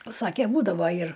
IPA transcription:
ˈsɑːkʲɛ ˈbuːdɐʋoː ɪr

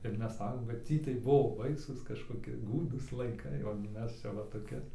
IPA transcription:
ɪr ˈmʲɛs ˈsɑːkoːm kɐt ˈtʲiː tɐɪ ˈbʊʋoː ˈbɐɪsuːs kɐʃkoːˈkʲɪ ˈɡuːduːs lˠɐɪˈkɐɪ oː ɡʲɪ ˈmʲɛs ˈt͡ʃʲɛ ʋɐ toːˈkʲɪ

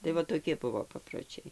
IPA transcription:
tɐɪ ˈʋɐ toːˈkʲɪ ˈbʊʋoː pɐproːˈt͡ʃʲɛɪ

